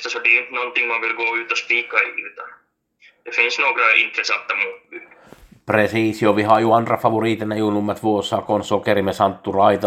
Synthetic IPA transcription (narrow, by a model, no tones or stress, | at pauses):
t̪æsot̪iynt̪nont̪ːiŋmɑnʋilɡ̥oːyːt̪ːospiːkːɑiyt̪ɑ | jefinsnoːkrɑḭnt̪resɑt̪ːɑmuːt̪ | presiːsioʋihɑjuɑnrɑfɑʋuriːt̪enːæjuunumːɑt̪ʋuosːɑkonsokerimesɑnt̪ːurɑit̪ɑ